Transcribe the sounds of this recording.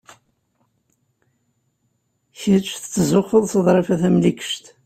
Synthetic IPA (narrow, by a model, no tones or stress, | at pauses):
çət͡ʃːθə̥t͡sːzʊχəðˤθəðˤɾˤefæθæmlikə̥ʃt̪